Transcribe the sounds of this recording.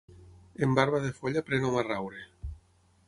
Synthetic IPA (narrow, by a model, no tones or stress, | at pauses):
embaɾβaðefoʎapɾenomarawɾe